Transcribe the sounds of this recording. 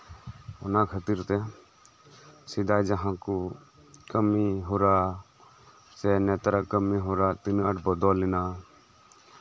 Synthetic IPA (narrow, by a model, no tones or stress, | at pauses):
ʊnãːkʰət̪iɾt̪ɛ | sɪd̪aːjd͡ʒəɦãːku | kəmiɦoɾaː | sɛːnɛːt̪ɾakəmiɦoːɾaːt̪ɪnəʈbəd̪ɔːlɪnaː